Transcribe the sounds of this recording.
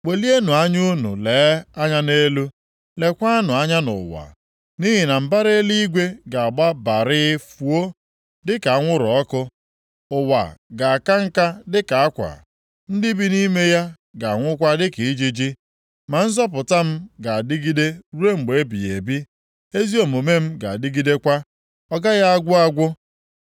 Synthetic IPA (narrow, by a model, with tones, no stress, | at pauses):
k͡pe˨li˦e˦nu˨a˦ɲu˦nṵ˨le˨˦a˦ɲa˦ne˦lu˦ | le˨kʷa˦nʊ˨a˦ɲa˦nʊ̰˨wa̰˨ | ni˦ɦi˨na˨m̩˨ba˦ɾe˦li˦ɡʷe˦ɡa˨a˨ɡ͡ba˦ba˨ɾɪ˦fu˨o˦ | dɪ˦ka˨a˦ŋʷʊ˦ɾɔ˦kʊ˦ | ʊ˨wa̰˨ɡa˨a˨ka˦ŋ̩˦ka˦dɪ˦ka˨a˦kʷa̰˨ | n̩˦dɪ˦bi˦ni˦me˦ja˦ | ɡa˨a˨ŋʷʊ˦kʷa˦dɪ˦ki˨i˦d͡ʒi˦d͡ʒi˦ | ma˨n̩˦zɔ˦p̬ʊ˨ta˦m̩˦ɡa˨a˨dɪ˦ɡi˦de˦ɾu˦e˦ŋ͡m̩˨ɡ͡be˨e˦bi˨e˨bi˦ | e˦zi˦o˨mo˨me˦m̩˦ɡa̰˨a˨dɪ˦ɡi˦de˦kʷa˦ | ɔ˦ɡa˦ɣa˦a˦ɡʷʊ˦a˦ɡʷʊ˦